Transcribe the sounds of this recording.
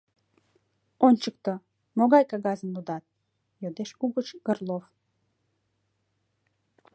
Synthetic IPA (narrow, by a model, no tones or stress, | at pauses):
onʲt͡ɕək̚t̪o | moɣɑjkɑɣɑzəmlud̪ɑt̪̚ | jod̪eʃkuɣət͡ɕɡ̥ərlˠof